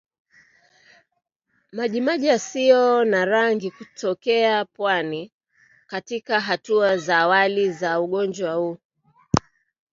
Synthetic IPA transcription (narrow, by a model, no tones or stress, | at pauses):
maʄimaʄasiɔnaɾaŋɡikutʰɔkɛapwani | katikaɦatuazaːwalizauɠɔnd͡ʒwahu